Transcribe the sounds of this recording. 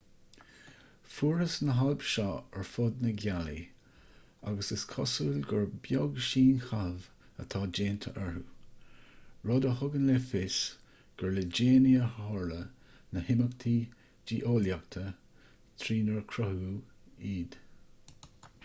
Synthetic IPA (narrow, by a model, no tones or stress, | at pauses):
fuːɹəsnəɦalbʃɑɛɹfʊd̪̚nəɡalḭ | a̰ɡəsəskʰɔsuːlɡəɹbjoɡʃiːnxav | ə̰t̪ʰɑːd͡ʒeːnt̪ʰə̰ʔɛɹu | ɹɔd̪əɦʊɡənlefɪs | ɡ̥əɹləd͡ʒeːniəhɔːɹlə | nəhɪməkt̪ʰiː | d͡ʒiːʔoːljak̚t̪ʰə | t̪ʰɾiːnəɹkʰɾɔhuːiːd̪̥